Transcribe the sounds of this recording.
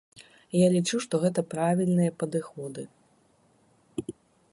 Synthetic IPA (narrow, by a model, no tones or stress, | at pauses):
jalʲit͡ʂuʂt̪ɔɣɛt̪ɐpɾavʲilʲnɨjɐpɐd̪ɨxɔd̪ɨ